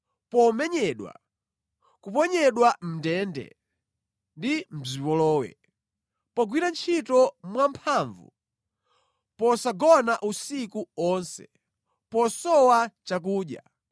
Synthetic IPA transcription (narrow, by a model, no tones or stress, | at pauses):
pɔmɛɲɛɗwa̰ | kupɔɲɛɗwam̩dɛːndɛ̰ | ndim̩zipɔlɔːwɛ̰ | pɔɡwiɾant͡ʃʰitɔmwampʰaɱvṵ | pɔsaɡɔnaʔusikuɔnsɛ̰ | pɔsɔwat͡ʃak̬uːɗja̰